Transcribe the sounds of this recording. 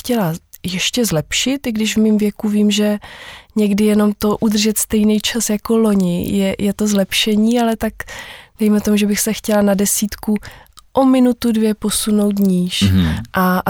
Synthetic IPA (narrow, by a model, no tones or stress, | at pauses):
cɛlajɛʃcɛzlɛpʃɪt̪ɪɡdɪʒvmimvjɛkuviːmʒɛɲɛɡdɪjɛno̞mt̪o̞ʔud̪r̩ʒɛt̪st̪ɛjnɛjt͡ʃasjako̞lo̞ɲɪjɛjɛt̪o̞zlɛpʃɛɲiːalɛt̪akd̥ɛjmɛt̪omuʒɛbɪxsɛxcɛlanadɛsiːt̪kuʔomɪnut̪udvjɛpo̞suno̞wt̪̬ɲiːʃʔa